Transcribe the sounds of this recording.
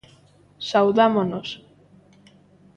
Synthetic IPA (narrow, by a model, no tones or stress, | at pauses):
sawðamonos